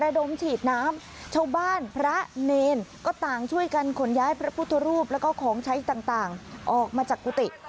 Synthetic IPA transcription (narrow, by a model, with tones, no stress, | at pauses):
ɾa˧do˨˧˩mt͡ɕʰiː˨˩t̪̚naː˦˥m | t͡ɕʰa˥˩wbaː˥˩npʰɾa˦˥neː˧nkɔː˥˩t̪aː˨˩ŋt͡ɕʰu˥˩əjka˧nkʰo˩˦njaː˦˥jpʰɾa˦˥pʰu˥˩t̪ʰːɾuː˥˩p̚lɛ˦˥wkɔː˥˩kʰɔː˩˦ŋt͡ɕʰa˦˥jt̪aː˨˩ŋt̪aː˨˩ŋʔɔː˨˩k̚maː˧t͡ɕaː˨˩kːuː˧˩t̪i˨˩